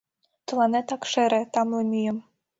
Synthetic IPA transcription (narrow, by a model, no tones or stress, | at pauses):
t̪ɤ̆lɑnet̪ɑkʃeɾĕt̪ɑmlemʲyjə̆m